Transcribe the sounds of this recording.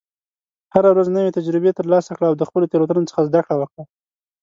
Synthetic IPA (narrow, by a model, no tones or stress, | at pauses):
haɾawɾaznəwet̪ad͡ʒɾɪbet̪əɾlɑsakɽaːwd̪əxpəlot̪eɾat̪ənot͡sə̥xazd̪akɽawəkɽa